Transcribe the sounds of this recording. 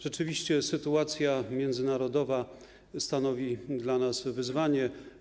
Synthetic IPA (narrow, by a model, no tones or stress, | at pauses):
ʐ̥ɛt͡ʂɘvʲiɕt͡ɕɛsɘt̪uat̪sʲjamʲjɛnd̪zɘnaɾɔd̪ɔva | st̪anɔvʲid̪lanasvɘzvaɲɛ